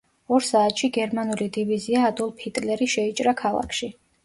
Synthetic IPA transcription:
ɔɾsaːt̪ʃiɡɛɾmanulid̪iviziaːd̪ɔlˠpʰit̪ʼlɛɾiʃɛit͡ʃʼɾakʰalˠa̰kʰʃi

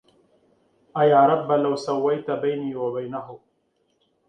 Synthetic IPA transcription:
ajaːɾɑbːalawsawːajt̪abajniːwabajnaɦʊ

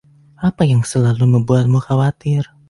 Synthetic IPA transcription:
ʔapajaŋsəlaluməbuat̪̚muxawat̪ɪr

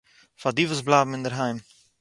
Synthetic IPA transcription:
fadivəsblaːbm̩ɪndəɾɦɛjm

